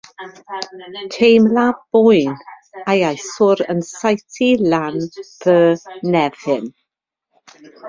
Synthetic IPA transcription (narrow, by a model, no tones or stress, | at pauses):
tʰejmlab̥ʊjn | ajajsʊɾə̰nsajtʰilanv̥əːnɛv̥hɪn